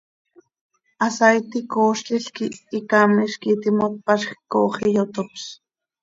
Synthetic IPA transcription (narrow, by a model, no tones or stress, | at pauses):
asajt̪ikoːʃt͡ɬiɬkiːkamiʃkit̪imot̪̚paʃxkoːχijot̪ops